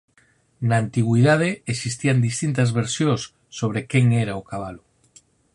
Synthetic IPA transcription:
naːnt̪iɣwiðað̞eesist̪iand̪ist̪int̪azβeɾsjõsː | oβ̞ɾekeŋeɾaokaβ̞alo

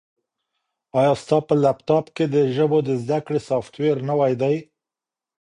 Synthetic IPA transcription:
ɑjɑst̪ɑpəlapt̪ɑpked̪əʒəbod̪əzd̪akɽesɑft̪weɾnawajd̪aj

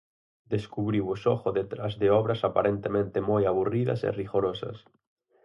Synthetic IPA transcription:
d̪eskuβɾiwʊsɔxoðet̪ɾazðeɔβɾasapaɾent̪emẽnt̪emojaβuriðɐ̰sḛriɣoɾosɐ̰s

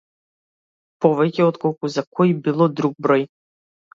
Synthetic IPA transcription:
pɔvɛkʲɛɔt̪kɔlˠkuzakʰɔjbilˠɔd̪ɾuɡ̚bɾɔj

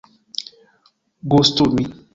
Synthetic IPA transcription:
ɡostonĩ

